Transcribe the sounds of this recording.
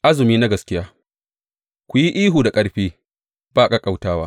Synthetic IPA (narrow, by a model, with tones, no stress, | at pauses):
ʔa˦zɪ˨miː˦na˦ɡɐ˨skʲɪ˦jaː˦ | kʷu˨ji˦ʔiː˦ɦuː˨da˨kʼɐ˦ɽɸiː˦ | b̥aː˦˨kʼa˦kʼa˨wtaː˦waː˦